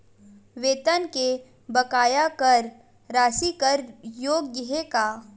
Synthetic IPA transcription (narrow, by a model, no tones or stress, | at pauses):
ʋeːt̪ənke | bɐkaːjakɐɾ | ɾaːsikəɾjoːɡːɪɦekaː